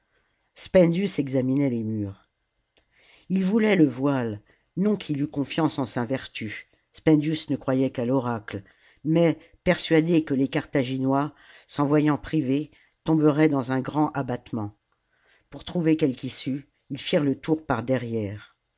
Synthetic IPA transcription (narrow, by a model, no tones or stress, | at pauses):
spɛ̃nd̪ysɛɡzaminɛlemyːʁ | ilvulɛləvwal | nɔ̃kʰilykɔ̃fjɑ̃sɑ̃savɛʁt̪y | spɛ̃nd̪ysnəkχwajɛkalɔʁakl | mɛ | pɛʁsɥad̪ekəlekaʁt̪aʒinwa | sɑ̃vwajɑ̃pχive | t̪ɔ̃bəʁɛd̪ɑ̃zɛ̃ɡʁɑ̃ʔabat̪mɑ̃ | puʁt̪χuvekʲɛlkisy | ilfiʁlət̪uʁpaʁd̪ɛʁjɛːʁ